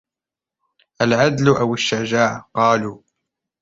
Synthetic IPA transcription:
ʔalʕad̪lʊʔawaʃːad͡ʒaːʕqɑːluː

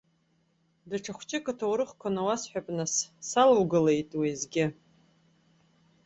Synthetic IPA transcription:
daʈ͡ʂʰaχʷt͡ʃʼɪkʼɨtʰawɾɨχkʷʰanawasħʷᶣapʼnassalwɡɨle̞jtʼwizɡʲɪ

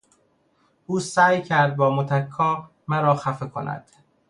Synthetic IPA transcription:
ʔuːsæːjcʰæɾd̪̚bɒːmot̪ʰækʰːɒː | mæɾɒːxæfekʰonæ̰d̪̥

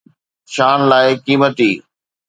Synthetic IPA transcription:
ʃaːnlaːɪkiːmət̪iː

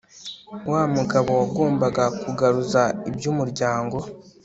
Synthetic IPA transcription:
waːmuɡaβo̞waɡo̞ːmbaɡakuɡaɾuzaibjumuɾɟaːŋɡo̞

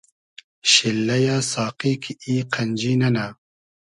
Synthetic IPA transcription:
ɕilːɐjaːsaːqiːkʰiiːqʰɐnd͡ʒiːnɐna

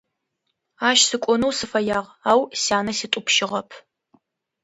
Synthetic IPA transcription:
aːʃsɨkʷʼɔnɐwsɨfɐjaːʁaːwsaːnɐsitʼʊpʃɪʁɐpʰ

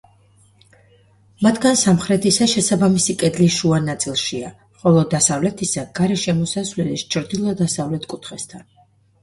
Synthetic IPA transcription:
mat̪ʰɡansamχɾɛt̪ʰisaʃɛsabamisikʼɛd̪liʃuanat̪sʼilˠʃia | χɔlˠɔd̪asavlɛt̪ʰisaɡ̥aɾɛʃɛmɔsasvlɛlist͡ʃʰɾd̪ilˠɔd̪asavlɛt̪ʰkʼut̪ʰχɛst̪ʰan

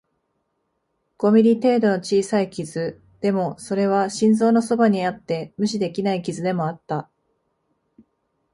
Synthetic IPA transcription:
ɡ̥o̞mʲiɾʲit̪e̞ːd̪o̞no̞t͡ɕiːsaikʲizɨ | d̪̥e̞mo̞so̞ɾe̞β̞aɕĩnzo̞ːno̞so̞baɲ̟iat̪ːe̞mɯ̟ɕid̪e̞kʲinaikʲizɨd̪e̞mo̞at̪ːa

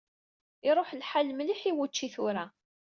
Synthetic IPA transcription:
ɪɾˤoħlħalmliħiwut͡ʃːiθʊɾa

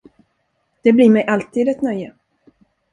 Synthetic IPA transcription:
d̪̥ɛbliːɾmɛjʔalt̪iːd̪ɛt̪nœjːə

